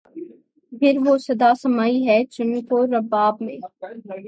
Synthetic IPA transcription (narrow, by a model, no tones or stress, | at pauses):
pʰɪɾʋosɐd̪asɐmaːiɦɛt͡ʃʊnkoɾɐbaːb̚mẽː